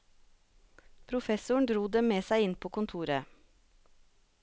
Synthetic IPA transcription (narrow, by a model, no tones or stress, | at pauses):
pʰɾʊfɛsʊɳ̩d̪ɾuːd̪ɛmmeːsæɪɪnpʰoːkʊnt̪ʰuːɾə